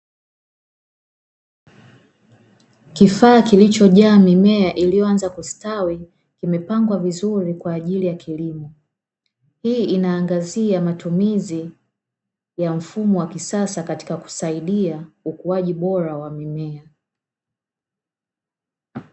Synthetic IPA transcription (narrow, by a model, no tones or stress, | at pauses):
kifaːkilit͡ʃɔʄaːmimɛaʔilijɔanzakustawi | kimɛpaŋɡwavizuɾikwaːʄilijakʰilimɔ | hiːinaːŋɡaziamatumizi | jam̩fumɔwakisasakati̥kaku̥saiɗiaukuaʄiɓɔɾawamimɛa